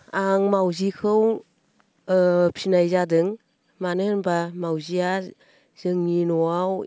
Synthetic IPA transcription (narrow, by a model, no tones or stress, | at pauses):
aŋmawzikʰɯw | pʰinajzadɯŋ | manɯnbamawzia | z̥ɯŋninɔaw